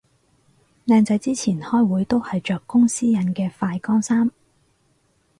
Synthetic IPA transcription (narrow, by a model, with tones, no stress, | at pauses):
naː˧nt͡sɐ˨˧˥jt͡siː˥t͡sʰiː˨˩nhɔː˥jwuː˨˥jt̪o˥whɐ˨jt͡ʃœː˨kːʊ˥ŋsiː˥jɐ˨˥nkɛː˧faː˧jkɔː˥ŋsaː˥m